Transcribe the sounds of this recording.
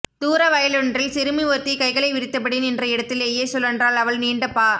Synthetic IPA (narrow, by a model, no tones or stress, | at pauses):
t̪uːɾɐʋɐjɐlɔɳrɪlsɪɾɯmiʋɔɾt̪ːikɐɪɣɐɭɐɪʋɪɾɪt̪ːɐpːɐɽinɪndrɐɪɽɐt̪ːɪlejeːsɔlːɐndraːlɐʋɐɭniːɳɖɐpːaː